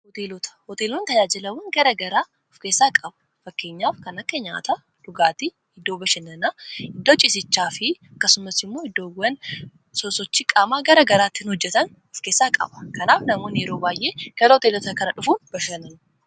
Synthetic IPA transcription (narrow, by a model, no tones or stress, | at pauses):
hɔt̪eːlɔt̪ɐ̥hɔt̪eːlont̪ɐd͡ʒaːd͡ʒɪlɐwɐnɡɐɾɐɡɐɾaː | ʊfke̞ːsːaːkʼɐbɐ̥ | fɐkːe̞ːɲːaːfkɐnɐkːɐɲa̰ːt̪ɐ | ᶑʊɡaːt̪ɪ | ɪd̪ːoːbɐʃɐnɐnɐɪd̪ːoːt͡ʃʼɪsɪt͡ʃːaːfɪɐkːɐsʊmɐsɪmːo̞ːhɪd̪ːoːɡɐn | sɔsɔt͡ʃːikʼaːmaːɡɐɾɐɡɐɾaːt̪ːɪnhɔd͡ʒːɛt̪ɐn | ʊfke̞ːsːaːkʼɐ̰bɐ̥kɐnaːfnɐmoːnɪjɛɾoːbaːjʔe̞ːɡ̥ɐɾɐhɔt̪eːlɔt̪ɐkɐnɐᶑʊfuːnb̥ɐʃɐnɐn